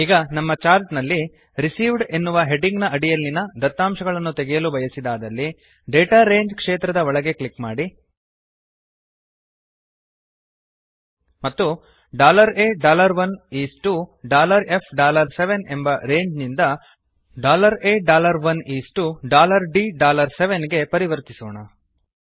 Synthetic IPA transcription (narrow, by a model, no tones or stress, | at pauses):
iːɡɐnɐmːɐt͡ʃaːɾt̪nɐlːi | ɾisiːʋɖe̞nːuʋɐɦe̞ɖiŋɡnɐʔɐɽijɐlːinɐd̪ɐt̪ːaːmʃɐɡɐɭɐnːut̪e̞ɡɛjɐlubɐjɐsid̪aːd̪ɐlːi | ɖeːʈaːɾeːɲd͡ʒkʂeːt̪ɾɐd̪ɐʋɔɭɐɡe̞klikmaːɽi | mɐt̪ːu | ɖaːlɐɾeːɖaːlɐɾʋɐniːsʈuɖaːlɐɾe̞pʰɖaːlɐɾseʋe̞ne̞mbɐɾeːɲd͡ʒnind̪ɐ | ɖaːlɐɾeːɖaːlɐɾʋɐniːsʈuɖaːlɐɾɖiɖaːlɐɾseʋenɡe̞pɐɾiʋɐɾt̪isoːɳɐ